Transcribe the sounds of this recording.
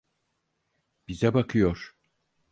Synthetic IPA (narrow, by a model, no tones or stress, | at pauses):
b̥izɛbakʰɯjoɾ̥